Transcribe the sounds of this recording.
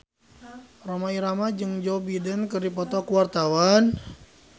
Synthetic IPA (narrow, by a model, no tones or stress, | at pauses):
romaiɾamad͡ʒɨŋd͡ʒɔbidənkɨrdipɔt̪ɔkuwart̪awan